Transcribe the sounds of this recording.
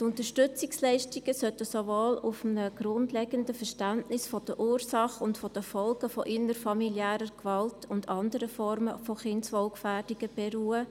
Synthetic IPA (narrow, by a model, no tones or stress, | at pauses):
tʊntəʃtʏt͡sɪkslɛɪʃtiɡ̥əsœtəsovoːlʊfm̩nəɡ̥ɾʊndlɛɡəndəfəʃtæntnɪsfɔd̥əʔuːɾsɑχʊntfɔd̥əfɔlɡəfɔʔɪnəɾfɑmiljæːɾəɾkʋɑltʰʊndɑndəɾəfɔrməfɔχɪnsʋɔlkfæːrd̥iɡ̥əb̥eɾuːə